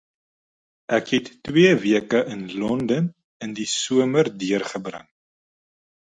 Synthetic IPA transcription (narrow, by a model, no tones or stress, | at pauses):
ʔɛkɦɛtːwiəviəkəʔənlɔndən | əndisuəmərdiərχəbrə̰ŋ